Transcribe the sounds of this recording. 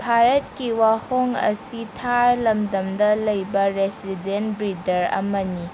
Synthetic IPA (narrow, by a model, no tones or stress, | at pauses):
bʱaɾɐt̚kiwahoŋɐ̰sitʰaɾlɐmdɐmdɐlɐjbɐɾesidentbɾidɐɾɐ̰mɐni